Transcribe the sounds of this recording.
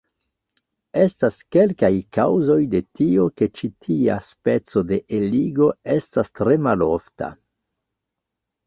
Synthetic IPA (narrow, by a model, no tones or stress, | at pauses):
e̞staske̞lkajkawzo̞jde̞tioke̞t͡ʃitʰia̰spe̞t͡so̞de̞ʔeliɡo̞e̞stastɾe̞malo̰fta̰